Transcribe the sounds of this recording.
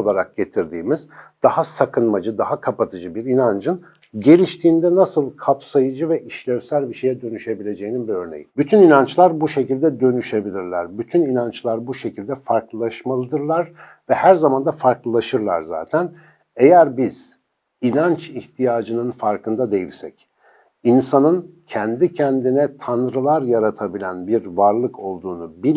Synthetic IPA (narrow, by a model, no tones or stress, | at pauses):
olˠaɾak̚ɟe̞t̪ʰiɾd̪iːmizd̪̥ahasakʰɯnmad͡ʒɯd̪aɦakʰapat̪ʰɯd͡ʒɯbiɾinand͡ʒɯn | ɟe̞lʲiʃt̪ʰiːnd̪ɛnasɯlˠkʰapsajɯd͡ʒɯvɛʔiʃlʲɛvsælʲbiʃe̞jɛd̪ø̞nyʃe̞bilʲe̞d͡ʒe̞jininbiø̞ɾne̞̰jibyt̪ʰyninant͡ʃlˠaɾbuʃe̞cilʲd̪ɛd̪ø̞nyʃe̞bilʲiɾlʲæɾbyt̪ʰyninant͡ʃlˠaɾbuʃe̞cʰilʲd̪ɛfaɾklˠɯlˠaʃmalˠɯd̪ɯɾlˠaɾ̥ | vɛhæɾzamand̪afaɾklˠɯlˠaʃɯɾlˠa̰ɾza̰ːt̪ʰæn | ejæɾbiz̥ | inant͡ʃiht̪ʰijaːd͡ʒɯnɯnfaɾkɯnd̪ad̪e̞jilʲsɛ̰c | insanɯncʰɛnd̪icʰɛnd̪inɛt̪ʰanɾɯlˠaɾjaɾat̪ʰabilʲænbiɾvaɾlˠɯkʰo̞lˠd̪uːnubi